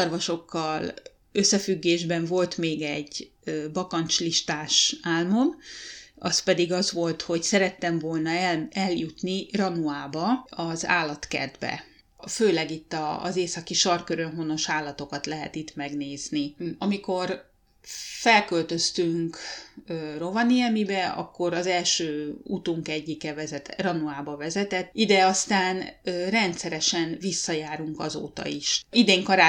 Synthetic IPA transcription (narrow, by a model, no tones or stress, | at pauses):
ɒrvɒʃo̞kːɒl | ø̞sːɛfyɡːeːʒbɛɱvo̞lt̪meːɡɛɟ | bɒkɒnt͡ʃliʃt̪aːʃaːlmo̞mʔɒspɛd̪iɡɒzʋo̞lt̪ho̞csɛɾɛt̪ːɛɱvo̞lnɒɛɛljut̪nirɒnuaːbɒɒza̰ːlːɒt̪kɛ̰rd̪bɛ̰ | føːlɛɡit̪ːɒ̰ːzeːsɒkiʃɒrkøɾønɦono̞ʃaːlːɒt̪o̞kɒt̪lɛɦɛ̰t̪it̪mɛɡneːzniɒmiko̞r | fɛlkølt̪ø̞st̪yŋkː | ro̞vɒnijɛmibɛɒ̰kːo̞ɾɒzɛlʃøːut̪uŋkɛɟːikɛvɛzɛt̪rɒnuaːbɒvɛzɛt̪ɛt̪ːid̪ɛɒst̪aːnrɛnt̪sɛɾɛʃɛnvisːɒjaːɾuŋkɒzo̰ːt̪ɒ̰iʃid̪eːŋkɒɾaː